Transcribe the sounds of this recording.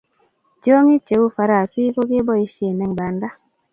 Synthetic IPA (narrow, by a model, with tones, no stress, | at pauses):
d͡ʒo˦ŋi˦t͡ʃe˨u˦fa˨ɾa˨si˦ko˦ɡe˦bɔ˦i˦ʃje˨nɛ˨ŋba˨nda˦